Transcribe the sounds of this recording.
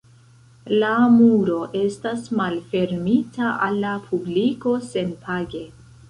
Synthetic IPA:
lamuɾo̞ʔe̞stasmalfe̞ɾmitaʔalːapʰubliko̞se̞npʰaɡe̞

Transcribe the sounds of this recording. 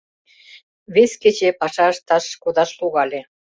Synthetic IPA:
βesket͡ɕepɑʃɑʃt̪ɑʃkod̪ɑʃluɣɑlʲe

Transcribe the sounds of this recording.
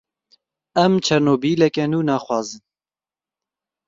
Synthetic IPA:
ɛmt͡ʃʰɛɾnoːbiːlɛkɛnuːnɑːxwɑːzɨn

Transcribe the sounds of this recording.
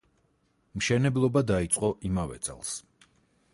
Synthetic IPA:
mʃɛnɛblˠɔbad̪ait̪sʼqʼɔʔimavɛ̰t̪sʼɛ̰lˠs

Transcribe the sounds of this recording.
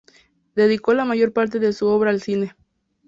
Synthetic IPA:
d̪e̞ðiko̞lamaʝo̞ɾpaɾt̪̬e̞ðe̞suo̞βɾaːlsine̞

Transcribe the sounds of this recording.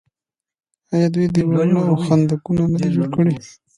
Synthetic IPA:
ɑjɑd̪wujd̪iwɑjunaawxand̪akunamad̪ad͡ʒoɽkəɽi

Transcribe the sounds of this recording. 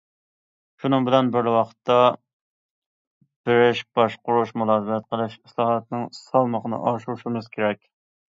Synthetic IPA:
ʃunɨŋbɪlɛnbɪɾlɪwɑqə̥t̪ʰːɑ | b̥ɪɾɪʃb̥ɑʃqʊɾuʃmulˠɑːzɨbɛt̪̚qʰəlˠɪʃislˠɑːhɑt̪̚nɪŋsɑlˠməqənɨ̰ʔɑʃuɾʃɪmɨz̥kʲʰeɾɛkʲ

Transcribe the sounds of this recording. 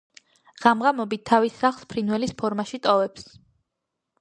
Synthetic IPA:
ʁ̥amʁamɔbit̪ʰːavisːaχlˠspʰɾinwɛlispʰɔɾmaʃit̪ʼɔvɛps

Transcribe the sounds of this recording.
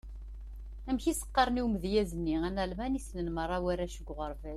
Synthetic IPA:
æmçisə̥qːɑɾˤniwməðjæzənːiænælmænisnənmərˤːɑwæɾæʃəɡʷːʁəɾˤvæl

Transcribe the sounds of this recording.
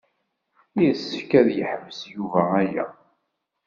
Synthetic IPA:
isːəfkæðjəħəmːəsjuvææjæ̰

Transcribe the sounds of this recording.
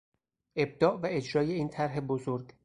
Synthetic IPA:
ʔe̞b̚d̪ɒːʔvæe̞d͡ʒɾɒːje̞iːnt̪ʰæɾɦe̞bozoɾɡ

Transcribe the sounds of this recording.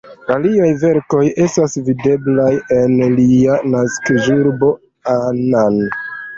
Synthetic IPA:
aliajve̞ɾko̞je̞stasvide̞blaje̞nlianaskʒuɾbo̞ | anan

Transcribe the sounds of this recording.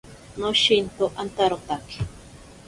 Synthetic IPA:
noʃint̪oʔant̪aɾot̪aki̥

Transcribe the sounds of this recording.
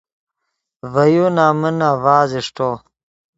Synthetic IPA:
vɐjunaːmənaːvaːziʂʈo

